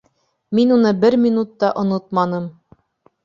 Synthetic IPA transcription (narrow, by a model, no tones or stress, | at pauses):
minunɤbɘɾmʲinut̪ːɑʔŏnot̪̚mɑnɤm